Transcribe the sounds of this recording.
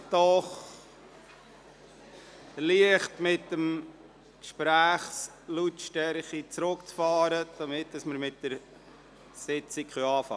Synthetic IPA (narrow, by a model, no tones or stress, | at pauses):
d̥ɔχ | liəχtmɪtːəm | kʃpɾæːχs | lutʃtɛɾχit͡sɾʊkt͡sfɑːɾəd̥ɑmɪt̚d̥ɑsməɾmɪt̚d̥əɾ | sɪt͡sikχœɑːfɑ̰